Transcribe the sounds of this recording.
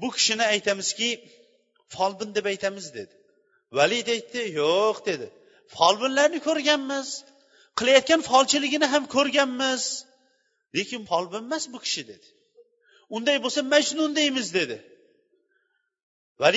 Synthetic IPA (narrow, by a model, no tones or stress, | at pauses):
bʊkʲʰɪ̥ʃɪnɪajt̪ʰamɪz̥kʲɪ | fɒlˠbɪnd̪e̞pajt̪ʰamɪzd̪e̞d̪ɪ | valɪid̪ajt̪ʰːɪjoqd̪e̞d̪ɪ | fɒlˠbɪnlaɾnɪkʰɵɾɡʲanmɪz̥ | qʰɨlˠajat̪̚kʲanfɒlˠt͡ʃʰɪlɪɡʲɪnɪɦamkʲʰɵɾɡʲanmɪz̥ | le̞kʲɪnfɒlˠbɪnmasbʊkʲʰɪ̥ʃɪd̪e̞d̪ɪ̥ | ʊnd̪ajbosamad͡ʒnʊnd̪ejmɪzd̪e̞d̪ɪ | val